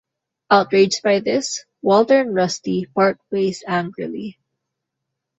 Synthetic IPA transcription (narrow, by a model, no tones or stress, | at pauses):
aʊt̚ɹeɪd͡ʒd̚baɪðɪs | wɛlˠtə˞nɹʌstipʰɑɹk̚pʰleɪsæ̃ŋɡɹəli